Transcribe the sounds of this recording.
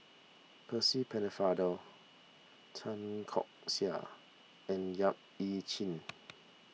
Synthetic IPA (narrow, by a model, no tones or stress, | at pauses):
pʰəsipʰɛ̃nəfadə | tʰãnkʰɔ̰k̚sia̰ | ɛ̃njap̚it͡ʃʰĩn